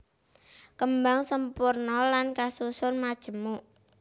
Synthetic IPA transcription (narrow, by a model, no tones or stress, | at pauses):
kəmbaŋsəmpurnɔlankasusʊnmad̥ʒ̥ə̤muʔ